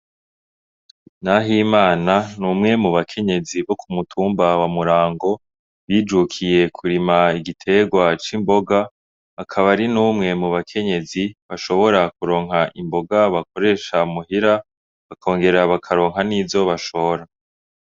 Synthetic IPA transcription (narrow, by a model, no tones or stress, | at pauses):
naɦimaːnanuːmŋe̞muβakʰe̞ɲe̞ziβo̞kʰumutʰuːmbawamuɾaːŋɡo̞ | βiːd͡ʒukʰije̞kʰuɾimaiɡitʰe̞ɡwat͡ʃimbo̞ɡaː | kʰaβaɾinuːmŋe̞muβakʰe̞ɲe̞ziβaʃo̞βo̞ɾakuɾo̞ːŋɦaʔimbo̞ɡaβako̞ɾe̞ːʃamuɦiɾa | βakʰo̞ːŋɡe̞ɾaβakʰaɾo̞ːŋɦaniːvo̞βaʃo̞ɾa